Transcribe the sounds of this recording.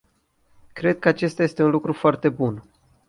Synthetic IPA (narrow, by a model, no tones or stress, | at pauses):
kɾe̞d̪̚kəat͡ʃe̞st̪aje̞st̪eunlukɾufoart̪e̞bun